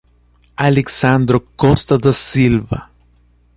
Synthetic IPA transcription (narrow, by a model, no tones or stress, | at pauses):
aleksand̪ɾokost̪aðasilβa̰